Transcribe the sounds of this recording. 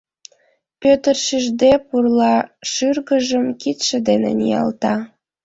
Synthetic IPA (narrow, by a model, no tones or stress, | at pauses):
pøt̪ərʃiʒd̪epurlɑʃyrɣəʒəmkit̪ʃə̆d̪enḛnḭjɑ̰lt̪ɑ